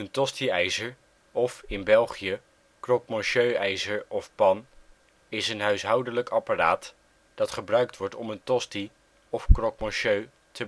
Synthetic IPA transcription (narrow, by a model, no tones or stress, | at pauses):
əntɔstiɛjzəɹ | ɔfɪnbɛlˠχijə | krɔkmɔnʃøɥɛjzəɹɔfpɑn | ɪsənɦœɥsɦɑwdənləkɑpara̰ːt | d̥ɑtχəbrœɥk̚tʋɔɹtɔməntɔsti | ɔfkrɔkmɔnʃøɥ | tʰə